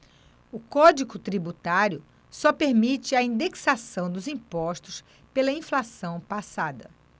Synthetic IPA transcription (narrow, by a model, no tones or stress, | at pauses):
ʊkɔd͡ʒikʊt̪ɾibut̪aɾjʊ | sɔpeɾmit͡ʃɪɐĩnd̪eksasɐ̃w̃d̪ʊzĩpɔʃt̪ʊs | pelɐĩflasɐ̃w̃pasad̪ɐ̰